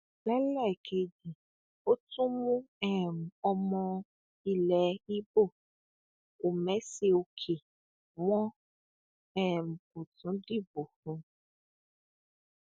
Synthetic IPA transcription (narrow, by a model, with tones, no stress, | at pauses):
bɛ˦lɛ˦˨kʰe˨d͡ʒi˨ | o˦tũ˦mũ˦ɛ˦˨m̩˨ɔ˨mɔ̃˧ | i˨lɛ˨i˦bo˦˨ | o˨mɛ̃˨˦se˨wo˨kʰe˨ | wɔ̃˦ | ɛ˦˨m̩˨ku˨tũ˨˦ɖi˦bo˨hũ˨